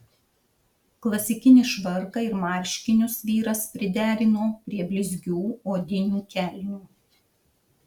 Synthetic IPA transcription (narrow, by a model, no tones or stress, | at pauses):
klˠɐsʲɪkʲɪnʲɪʃʋɐɾkɐɪɾmɑˑɾʲʃʲkʲɪnʲʊsʋʲiːɾɐspʲɾʲɪd̪ʲæːɾʲɪnoːpʲɾʲiɛbʲlʲɪzʲɡʲuːoːd̪ʲɪnʲuːkʲæˑlʲnʲuː